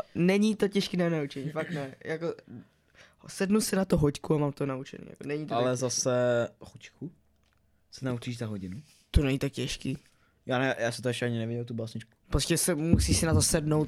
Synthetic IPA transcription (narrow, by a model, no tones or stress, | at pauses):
nɛɲit̪ocɛʃkiːnanaut͡ʃɛɲiːfakt̪nɛjʔako | sɛdnusɪnat̪oɦockuamaːmt̪onaut͡ʃɛ̰nḭːja̰konɛɲit̪oalɛzasɛhuckʰu | sɛnaut͡ʃiːʒzaɦoɟɪnu | t̪onɛɲit̪ak̚cɛʃkiː | jaːnɛjaːsɛmt̪oɛʃcɛaɲɪnɛvɪɟɛlt̪ubaːsɲɪt͡ʃku̥pɾoscɛsɛmusiːsɪnat̪o̞sɛdnowt̪